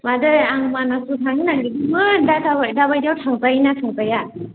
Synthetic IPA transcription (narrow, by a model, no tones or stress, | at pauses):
madɯaŋmanasʰutʰaŋinaɡibumɯdaadabajdawtʰaŋpajnatʰaŋpaja